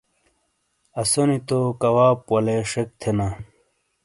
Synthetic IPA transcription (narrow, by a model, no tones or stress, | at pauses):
ɐsonit̪okɐwaːpwɐleʂek̚t̪ʰena